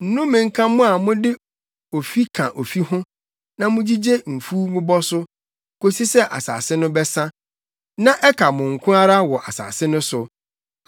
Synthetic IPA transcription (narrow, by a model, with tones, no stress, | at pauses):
n̩˨˦nʊ̃˦mɪ̃˨ŋ̩˦kʰã˦mʊ̃˦a˨mʊ̃˦dɪ˦ | o˨fi˦kʰã˨ʔo˨fi˦hʊ̃˦ | nã˨mʊ̃˦d͡ʑi˦d͡ʑe˦m̩˨fuː˦mʊ̃˦bɔ˦sʊ˦ | kʰo˦si˦sɛ˦ʔa̰˨sa̰ː˨sɪ˦nʊ̃˦bɛ˦sã˦ | nã˦ʔɛ˦kʰa˨mʊ̃˨ŋ̩˨kʰʊ̃˦ɾa˦ɾa˦wɔ˨ʔa˨sa̰ː˨sɪ˦nʊ̃˦sʊ˨